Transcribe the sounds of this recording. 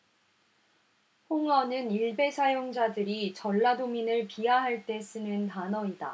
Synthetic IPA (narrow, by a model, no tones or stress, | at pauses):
ɸoŋʌnɯniɭbe̞sʰajoŋd͡ʑadɯɾit͡ɕʌɭːadominɯɭpiaɦaɭt͈e̞s͈ɯnɯntanʌida̰